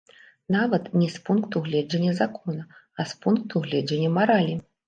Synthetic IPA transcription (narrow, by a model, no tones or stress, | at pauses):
navɐt̪nʲɛspunkt̪uɣlʲɛd͡ʒɐnʲːɐzakɔnɐ | ɐspunk̚t̪uɣlʲɛd͡zɐnʲːɐmaɾalʲi